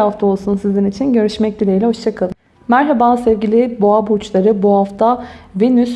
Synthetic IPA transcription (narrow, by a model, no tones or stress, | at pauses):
aft̪ʰao̞lˠsunsizinit͡ʃʰinɟø̞ɾyʃmɛc̚d̪ilʲejlʲɛɦo̞ʃt͡ʃʰakʰalˠɯm | mæɾɦabasɛvɟilʲɪboabut͡ʃlˠaɾɯbuɦaft̪ʰavenys